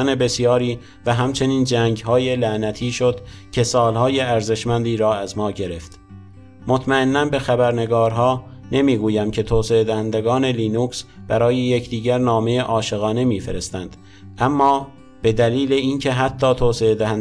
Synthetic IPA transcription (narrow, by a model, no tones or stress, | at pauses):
æne̞be̞sjɒːɾiː | væɦæmt͡ʃʰe̞niːnd͡ʒæːŋɟɦɒːje̞læʔnæt̪ʰiːʃo̞d̪̥cʲʰe̞sɒːlhɒːje̞æɾze̞ʃmænd̪iːɾɒːæzmɒːɟe̞ɾe̞ft̪ | mot̪ʰmæe̞nːænbe̞xæbæɾne̞ɡɒːɾɦɒː | ne̞miːɡuːjæmcʰe̞t̪ʰoːseed̪æhænd̪eɡɒːne̞liːnuːksb̥æɾɒːjejecʰd̪iːɡɟæɾnɒːme̞jeʔɒːʃe̞ɣɒːne̞miːfe̞ɾe̞st̪ænd̪̥ | ʔæmːɒː | b̥e̞d̪æliːleincʰe̞ɦæt̪ʰːɒːt̪ʰoːseed̪æhæn